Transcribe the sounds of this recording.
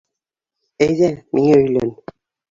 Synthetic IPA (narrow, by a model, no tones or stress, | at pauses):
æjðæmʔiŋæɵ̆jlæn